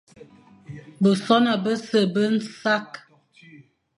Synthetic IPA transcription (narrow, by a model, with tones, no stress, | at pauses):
bə˨sɔ˦na˨bə˦sə˨bə˦n̩˦sa˦k